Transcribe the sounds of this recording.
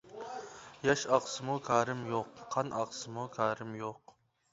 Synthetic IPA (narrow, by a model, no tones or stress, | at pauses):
jɑʃɑqsɨmukʲʰɑːɾɪmjoqːʰɑnʔɑqsɨmukʰɑːɾɪmjoq